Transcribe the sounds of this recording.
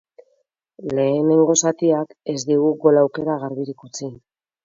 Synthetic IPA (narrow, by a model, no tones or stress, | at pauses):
le̞ːne̞ŋɡo̞sat̪iake̞zd̪iɣ̞uɣo̞lawke̞ɾaɣaɾβiɾikut͡sin